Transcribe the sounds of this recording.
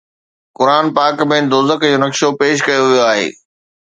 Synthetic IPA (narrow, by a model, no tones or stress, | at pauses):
kʊɾaːnpaːkmẽd̪oːzəkd͡ʑoːnɐkʃopeːʃ̬kɐjoʋijoaːɦḛː